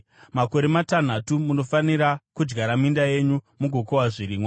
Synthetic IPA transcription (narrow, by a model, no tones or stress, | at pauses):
mako̞ɾe̞matan̤atumuno̞faniɾakud͡ʒɡaɾamindaje̞ɲumuɡʱokowaʐiɾiːmwa